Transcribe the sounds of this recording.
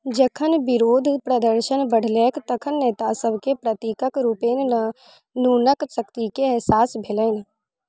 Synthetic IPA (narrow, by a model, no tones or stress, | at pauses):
d͡ʒəkʰənbɪɾoːd̪ʱpɾɐd̪əɾʃənbəɽ̤leːkt̪ɐkʰənːeːt̪asəbʱkepɾɐt̪iːkəkɾuːpeːn | nuːnəksəkt̪ikeɛɦsaːsbʱeləɪn